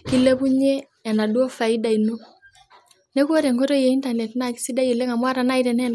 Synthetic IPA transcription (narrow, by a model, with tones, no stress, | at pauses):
ki˦lːe˦bu˦ɲeː˦˨ | na˨dwo˦fa˨i˦da˨inu˦ | ne˦ko˦ɾe˨ŋko˦ɾo˦je˨i˦nta˨ne˨tna˦ki̥˦si˦da˦ji˨le˦ŋa˨mwa˦ɾa˨na˦iɾe˨nɛ˦n